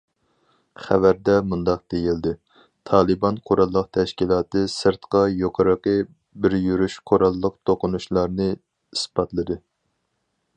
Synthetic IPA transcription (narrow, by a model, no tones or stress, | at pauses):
χævæɾd̪ɛmund̪ɑq̚d̪̥ejild̪ɪ | t̪ʰɑːlˠɨbɑnqʰoɾɑlˠːəq̚t̪ʰɛʃkʲilˠɑːt̪ɨsɨɾt̪qɑjoqʰəɾəqɨ | bɪɾjyɾyʃqʰoɾɑlˠːəq̚t̪ʰoqʊnuʃlˠɑɾnɨ | ispɑt̪lˠɨd̪ɨ